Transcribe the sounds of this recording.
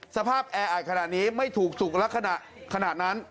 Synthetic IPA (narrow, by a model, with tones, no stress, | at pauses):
sa˧pʰaː˥˩p̚ʔɛː˧ʔaː˨˩t̪̚kʰa˧naː˨˩t̪̚niː˦˥ma˥˩jt̪ʰuː˨˩k̚su˨˩k̚lɛ˦˥kʰːa˧na˨˩ | kʰa˧naː˨˩t̪̚na˦˥n